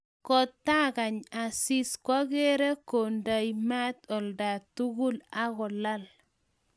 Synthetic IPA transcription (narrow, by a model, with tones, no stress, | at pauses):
kɔ˦t̪ːa˦ɣa˨ɲa˨si˦skwa˦ɣe˦ɾɛ˦ko˨nda˨jma˦t̪ɔ˨lda˨tu˦ɣu˦la˦ɣɔ˨la˦l